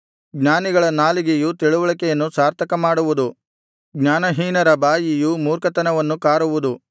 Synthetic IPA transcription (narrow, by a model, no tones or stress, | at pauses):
ɡɲaːniɡɐɭɐnaːliɡejut̪iɭuʋɐɭɐkɛjɐnːusaːɾt̪ʰɐkɐmaːɽuʋud̪u | ɡɲaːnɐɦiːnɐɾɐbaːjijumuːɾkɐt̪ɐnɐʋɐnːukaːɾuʋud̪u